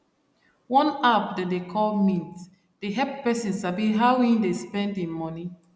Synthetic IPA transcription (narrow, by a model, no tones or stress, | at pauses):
wɔ̃napdadekʰɔlmĩnt | d̥eɦɛpːɛsĩnsabiɦaĩndespɛ̃ndĩnmɔni